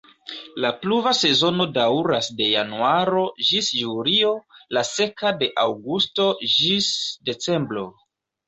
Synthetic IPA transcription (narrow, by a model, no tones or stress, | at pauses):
lapluvase̞zo̞no̞dawɾasde̞ja̰nuaɾo̞ʒisjulio̞lase̞kade̞ʔawɡusto̞d͡ʒisde̞t͡se̞mbɾo̞̰